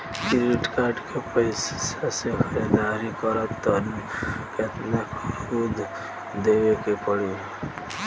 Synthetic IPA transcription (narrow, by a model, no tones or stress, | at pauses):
kiɾiʈkaːɾɖkʰepəɪssasekʰəɾed̪aːɾikəɾət̪ːɔnket̪nəkud̪ | d̪eʋekepəɽi